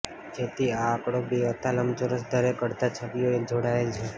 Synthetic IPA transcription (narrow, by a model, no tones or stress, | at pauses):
d͡ʒet̪iaːkɽobiʋət̪aləmt͡ʃoɾəsd̪ʱəɾekəɾt̪at͡ʃʰəʋijoed͡ʒoɽaelt͡ʃʰe